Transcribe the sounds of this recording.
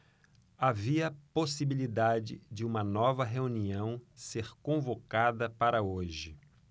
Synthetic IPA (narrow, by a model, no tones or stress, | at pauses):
aviɐposibilid̪ad͡ʒɪ̰d͡ʒɪũmɐnɔvɐɦeuniɐ̃w̃seɾkõvokad̪ɐpaɾɐoʒɪ